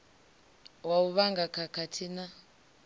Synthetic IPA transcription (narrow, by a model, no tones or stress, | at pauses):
wauβaŋɡakʰakʰatʰina